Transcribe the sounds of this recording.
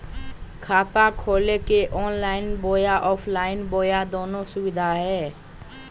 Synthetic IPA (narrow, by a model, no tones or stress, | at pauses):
kʰaːt̪akʰoːlekeʔɔːnlaːɪnboːjaʔɔːpʰlaːɪnboːjad̪oːnõsʊwɪd̪ʱaɦɛː